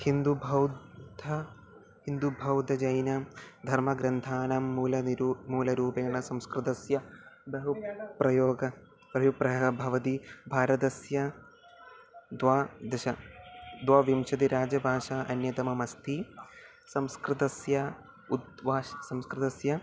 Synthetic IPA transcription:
hind̪ubʱɐwd̪d̪ʱɐ | hind̪ubʱɐwd̪ʱɐd͡ʒɐjnɐd̪ʱɐɾmɐɡɾɐnt̪ʰaːnaːmːuːlɐniɾːmuːlɐɾuːpeːɳɐsɐmskɾɪt̪ɐsjɐbɐɦupɾɐjoːɡɐ | pɾɐjupɾɐɦɐbʱɐʋɐt̪ibʱaːɾɐt̪ɐsjɐ | d̪ʋaːd̪ɐʃɐd̪ʋaːʋimʃɐt̪̬iɾaːd͡ʒɐbʱaːʂaʔɐnjɐt̪ɐmɐmɐst̪ʰi | sɐ̃mskɾɪt̪ɐsjɐ | ud̪ʋaːɐsɐ̃mskɾɪt̪ɐsjɐ

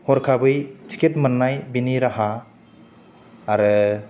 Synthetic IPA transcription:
hɔɾkʰabɯjtʰi̥kʰetmanːajbiniɾaɦa | ɾɯ

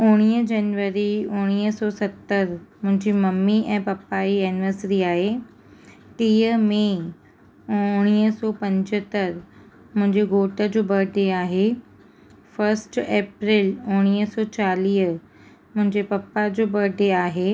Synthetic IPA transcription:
ʊɽ̃iːəd͡ʑɐnʋəɾiʊ̃ɽ̃iːəsɔsɐt̪ːəɾmʊ̃ɦɪ̃ɲd͡ʑimɐmːiʔɛ̃ːpɐpːaiɛnʋəsɾiaːɦe | ʈiːəmẽ | ʊɽ̃iːəsɔːpɐ̃ɲd͡ʑət̪əɾ | mʊ̃ɦɪ̃ɲd͡ʑeɡoːʈəd͡ʑoːbɐɾɖeaːɦe | fəɾsʈeːpɾɪlʊɽ̃iːəsɔːt͡ɕaːliːə | mʊ̃ɦɪ̃ɲd͡ʑepɐpːad͡ʑoːbɐɾɖeaːɦeː

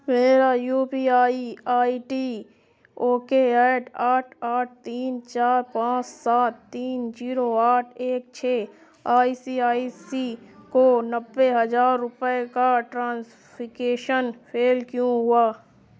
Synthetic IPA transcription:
meːɾajuːpiːaːiaːiʈi | oːkeaːʈaːʈʰaːʈ̚ʰt̪iːnt͡ʃaːɾpãːt͡ʃsaːt̪ːiːnd͡ʒiːɾoaːʈʰeːk̚t͡ʃʰeː | aːisiaːisikonəbːeɦɐzaːɾːʊpəekaʈɾãːs | pɪkeːʃənpʰeːlkjõɦʊaː

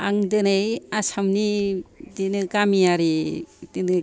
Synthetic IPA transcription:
aŋdɯnɯjasamnidinɯɡamiaɾidinɯ

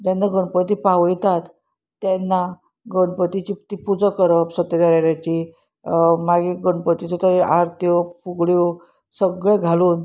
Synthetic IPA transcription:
d͡ʑanːaɡəɳpət̪̬ipaʋəjt̪at̪ː | ɛnːa | ɡəɳpət̪it͡ɕit̪ipud͡zəkəɾəpsət̪ed̪aɾaɽjat͡ɕi | maɡiɡəɳpət̪it͡sɔt̪əɾiʔaɾt̪jɔpuɡɭjɔ | səɡɭẽɡʱaluːn

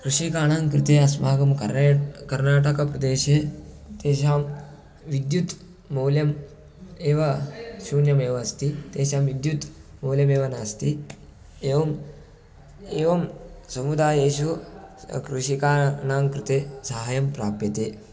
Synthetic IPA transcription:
kɾuʃikaːɳaːŋkɾɪt̪eːɐsmaːɡɐm | kɐɾnaːʈɐkɐpɾɐd̪eːʃe | t̪eːɕaːm | ʋid̪jut̪ː | oːljɐm | eːʋɐsuːnjɐmeːʋɐɐst̪iːt̪eːʃaːmʋid̪jut̪moːlʲjɐmeːʋɐnaːst̪i | eːʋɐm | eːʋɐmsɐmud̪aːjeːʃu | kɾuʃikaːnaːŋkɾɪt̪eːsaɦajɐmpɾaːpjɐt̪eː

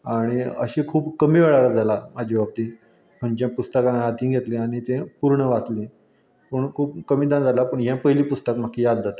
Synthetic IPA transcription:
aɽ̃iə̰ɕẽkʰuːpkəmiːʋeɭaɾad͡zalamad͡ʑʱibab̚t̪i | kʰəɳt͡ɕjãpust̪əkãat̪ĩːɡʱet̪lẽaɽ̃it̪ẽpuɾɳəʋat͡slẽ | pəɳkʰuːp̚kəmiːd̪ãnd͡zalapəɳɦjãpəɦliːpust̪əkm̤akːijad̪d͡zat̪ə

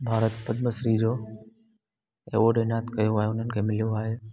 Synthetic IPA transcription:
bʱaːɾət̪pəd̪məsɾid͡ʒoː | ḛʋoɖenaːt̪kəjoaːjenənkʰemɪljoaːɦe

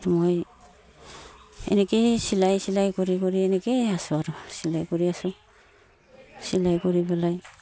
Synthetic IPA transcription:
ɾmoj | ḛnekesilajsilajkoɾikoɾienekeasaɾosilajkoɾiasu | silajkoɾibelaj

